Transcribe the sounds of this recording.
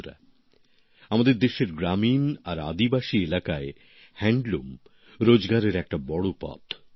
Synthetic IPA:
ɾa̰ | amad̪eɾd̪eʃeɾɡɾaminaɾa̰d̪ibaʃielakae | hɛɳɖlum | ɾod͡ʑɡaɾeɾɛk̚ʈabɔɽopɔ̰t̪

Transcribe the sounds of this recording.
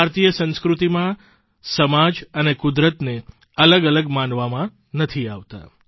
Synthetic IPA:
aɾt̪ijəsə̃nskɾut̪imã | səmad͡ʒənekʊd̪ɾət̪ne | ələɡələɡmãnʋamã | nət̪ʰiaʋt̪a̰

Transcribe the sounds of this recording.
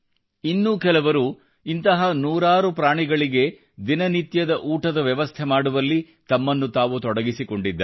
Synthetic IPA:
inːuːkɛlɐʋɐɾu | int̪ɐɦɐnuːɾaːɾupɾaːɳiɡɐɭiɡe̞ | d̪inɐnit̪jɐd̪ɐʔuːʈɐd̪ɐʋjɛʋɐst̪ʰemaːɽuʋɐlːi | t̪ɐmːɐnːut̪aːʋut̪ɔɽɐɡisiko̞ɳɖid̪ːɐ

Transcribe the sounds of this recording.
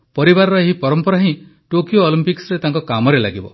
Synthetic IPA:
pɔɾibaɾɔɾɔeɦipɔɾɔmpɔɾaɦĩʈokioːlimpiksɾet̪aŋkɔkamɔɾelaɡibɔ

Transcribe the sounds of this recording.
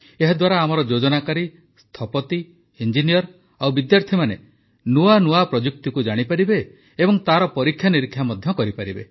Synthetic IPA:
eɦad̪waɾaːmɔɾɔd͡ʒod͡ʒɔnakaɾi | st̪ʰɔpɔt̪i | ind͡ʒinijɔɾ | awbid̪jaɾt̪ʰimane | nuanuapɾɔd͡ʒuk̚t̪ikud͡ʒaɽ̃ipaɾibeː | bɔŋt̪aɾɔpɔɾikʰːjaniɾikʰːjamɔd̪ʱjɔkɔɾipaɾibe

